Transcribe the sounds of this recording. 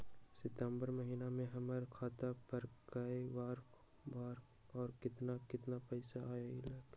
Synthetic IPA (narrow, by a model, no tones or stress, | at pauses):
sɪt̪əmbəɾməɦiːnamẽɦɐməɾkʰaːt̪apɐɾkkɐiʋaːɾ | baːɾ | ɔːɾkɪt̪nakɪt̪napəɪsaaːeɪlaːk